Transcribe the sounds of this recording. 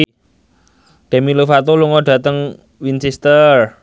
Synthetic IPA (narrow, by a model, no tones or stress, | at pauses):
d̪̥e̤milufat̪oluŋɔɖ̥ä̤t̪əŋ | winsist̪ər